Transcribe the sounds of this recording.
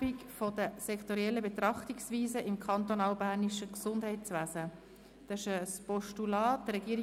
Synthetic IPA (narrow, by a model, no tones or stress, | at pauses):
ikfodəsɛkχt̪oɾiɛlːəbet̪ɾɑχtiksʋiːzəʔɪmkʰχɑnt̪onɑːlbæːɾniʃəksʊndɦɛɪtt͡sʋæːzə | d̥ɛʃəspɔʃtulɑːt̚dəɾɛɡiːɾ